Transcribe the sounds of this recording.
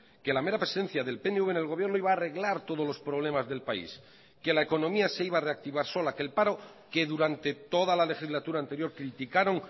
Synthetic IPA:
ke̞lame̞ɾapɾe̞sen̟θjaðe̞lpe̞neuβene̞lɣo̞βjeɾno̞iβaːre̞ɣlaɾt̪o̞ð̞o̞zlo̞spɾo̞β̞le̞mazðe̞lpaḭs | ke̞laeko̞nõ̞miase̞iβaːre̞ak̚t̪iβaɾso̞lake̞lpaɾo̞ | ke̞ðuɾant̪e̞t̪o̞ðalale̞xizlat̪uɾaːnt̪e̞ɾjo̞ɾkɾit̪ikaɾo̞ŋ

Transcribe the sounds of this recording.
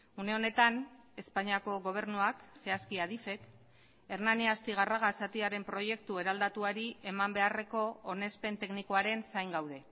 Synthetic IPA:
une̞o̞ne̞t̪ane̞spaɲiako̞ɣo̞β̞e̞ɾnuakse̞askiaðife̞k | e̞ɾnaniast̪iɣ̞araɣasat̪iaɾe̞mpɾo̞je̞k̚t̪ue̞ɾald̪at̪uaɾie̞mambe̞are̞ko̞one̞spe̞nt̪e̞knikoaɾe̞nsajŋɡawð̞e̞

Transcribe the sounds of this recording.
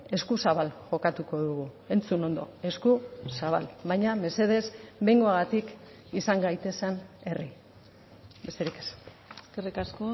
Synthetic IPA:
e̞skusaβalʝo̞kat̪uko̞ðuɣu | e̞nt͡suno̞nd̪o̞̰e̞skusaβ̞a̰lβajɲame̞se̞ð̞e̞zbe̞jŋɡo̞aɣat̪ik | isaŋɡajt̪e̞sane̞ri | be̞st̪e̞ɾike̥s | eskerikasko

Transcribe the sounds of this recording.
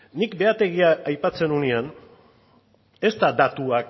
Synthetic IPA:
nikbe̞at̪e̞ɣiaːjpat͡se̞nunian | e̞st̪ad̪at̪uak

